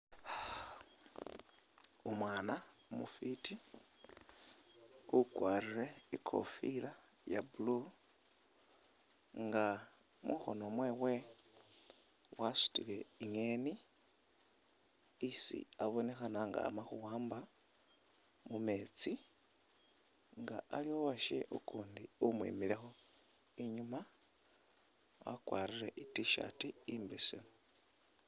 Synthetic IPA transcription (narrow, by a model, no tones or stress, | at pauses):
umwaːnamufitʰi | ukʼwariɾeikʰo̰fiɺa | jabulu | ŋɡa | mʔṵxo̰nomweːwe | wasi̥tʼiβeiŋeːni | isḭaβo̞ne̞xanaŋɡa̰maxuwaːmba | mume̞ːt͡si | ŋɡaalio̞βaʃḛʔukuːndiumwḭmilexo̞ | eɲuma | wa̰kwaːɾiɾeʔitiʃa̰tiimbisḭmo